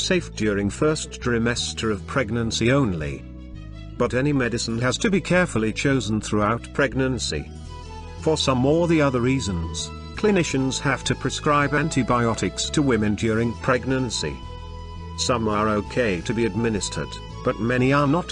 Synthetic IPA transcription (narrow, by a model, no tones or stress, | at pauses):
seɪfd̥jʊɹɪ̃ŋfɜ˞stɹɨmɛstʰə˞ʌv̥pʰɹ̥ɛɡ̚nɨ̃nsiõʊ̃nlḭ | b̥ʌɾɛnimɛɾɨsn̩ɨz̥tʰɨbikʰɛɹfl̩ˠit͡ʃʰoʊzn̩θɹuaʊt̚pʰɹ̥ɛɡ̚nɨ̃nsḭ | fə˞sʌ̃mːɔɹðiʌðə˞ɹizɨ̃nz̥ | kʰl̥ɨnɪʃɨ̃nz̥hæftʰɨpʰɹ̥ɨskɹaɪbæ̃ntʰibaɪɑɾɨkstʰɨwɪ̃mɨ̃ndjʊɹɪ̃ŋpʰɹ̥ɛɡ̚nɨ̃nsḭ | sʌ̃mə˞oʊkʰeɪɾɨbiɨd̚mɪ̃nɨstʰə̰˞d̚ | b̥ʌt̚mɛñiə˞nət